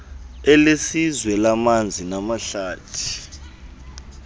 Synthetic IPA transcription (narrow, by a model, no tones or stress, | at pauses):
ɛlesizwɛlamand͡zʱinamaɬaːtʰi̥